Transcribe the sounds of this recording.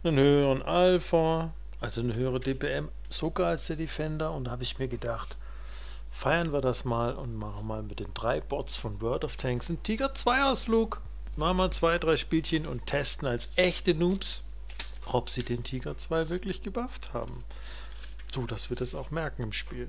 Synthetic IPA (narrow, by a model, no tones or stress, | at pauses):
nanhøːʁənʔalfa | ʔalzonəɦøːəʁ̞ədeːpeɛm | z̥okaalsd̥eːɐdefɛndɐʊntd̥ahaːbəɪçmiːɐɡədaχt | faɪɐnviːɐdasmaːlʊ̰ntmaχn̩maːlmɪtd̥eːnd̥ʁaɪb̥ɔtsfɔnvœɐtɔftʰɛŋksn̩tʰiːɡɐt͡sv̥aɪaʊsfluːk | maχnmaːlt͡sv̥aɪdʁaɪʃpiːlçənʊ̰ntʰɛstn̩alsʔɛçtənuːps | ʔɔpz̥iːdeːntʰiːɡɐt͡sv̥aɪvɪɐklɪçɡ̥əbaftha̰ːbm̩ | z̥oːd̥asv̥iːɐdasaʊxmɛɐkŋ̩ɪmʃpiːl